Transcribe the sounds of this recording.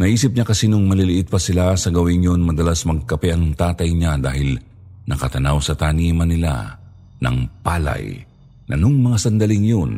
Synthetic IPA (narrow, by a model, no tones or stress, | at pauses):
nɐʔiːsɪp̚ɲakɐsinoŋmɐlɪlɪʔɪt̪̚pɐsɪlasɐɡɐwɪŋjonmɐd̪ɐlasmɐɡ̚kɐpɛʔɐŋt̪aːt̪ɐjɲad̪aːɦɪl | nɐkɐt̪ɐnawsɐt̪aːniːmɐnɪla̰ | nɐ̰ŋpaːlɐ̰j | nʔɐ̰noŋmɐŋasɐnd̪ɐliŋjon